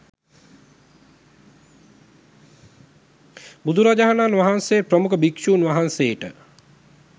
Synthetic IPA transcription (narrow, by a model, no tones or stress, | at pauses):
bud̪uɾad͡ʒaɦananʋaɦansejpɾəmukəbikʃuːnʋaɦanseːʈə